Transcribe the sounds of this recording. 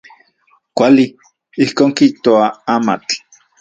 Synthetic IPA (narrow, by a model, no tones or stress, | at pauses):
kʷali | ihkoːŋkiht̪oaaːma̰t͡ɬ